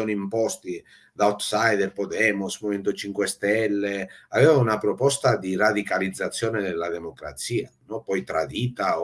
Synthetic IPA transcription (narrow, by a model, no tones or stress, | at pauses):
ɔniimpɔst̪i | d̪aɔt̪sajd̪ɛlpɔd̪ɛːmusmomɛnt̪ot͡ʃiŋkwest̪ɛlːeavɛːvaunapɾɔpɔst̪ad̪irad̪ikalid̪zːat̪sːjɔːned̪elːad̪ɛmokɾa̰t̪siːanɔpɔjt̪ɾad̪iːt̪a